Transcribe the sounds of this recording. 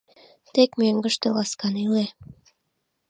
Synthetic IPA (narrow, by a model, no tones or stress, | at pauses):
t̪ekmøŋɡə̆ʃt̪elɑskɑnyle